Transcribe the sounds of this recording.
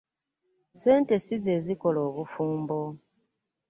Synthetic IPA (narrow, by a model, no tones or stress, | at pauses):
se̞ːnte̞size̞ːziko̞lo̞ːβufuːmbo̞